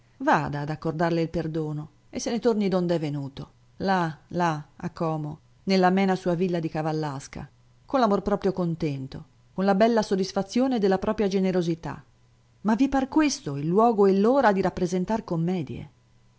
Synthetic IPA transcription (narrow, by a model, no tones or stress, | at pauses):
vaːd̪aːd̪akːord̪arleilperd̪oːno | esːenet̪ornid̪ond̪ɛvːenuːt̪o | lalaa̰kːɔːmo | nelːamɛːnasuːavilːad̪ikavalːaska̰ | konlamorpɾɔːpɾjokont̪ɛnt̪o | konlabɛlːasod̪ːisfat̪sːjoːned̪elːapɾʔɔːpɾjad͡ʒeneɾozit̪a̰ | mavːiparkwest̪oilːwɔːɡoelːoːɾad̪iɾapːɾezent̪arkomːɛːd̪jḛ